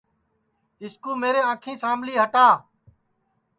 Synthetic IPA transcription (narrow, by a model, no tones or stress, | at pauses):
tɪskuːmeːɾeːãːkʰĩːsaːmliːɦəʈaː